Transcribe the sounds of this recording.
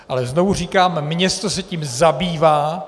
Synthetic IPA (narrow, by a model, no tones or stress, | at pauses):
ʔalɛznovuriːkaːmmɲɛst̪osɛciːmzabiːvaː